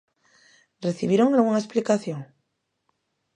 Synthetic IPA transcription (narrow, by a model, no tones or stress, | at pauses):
reθiβjeɾoŋalɣuŋaesplikaθjoŋ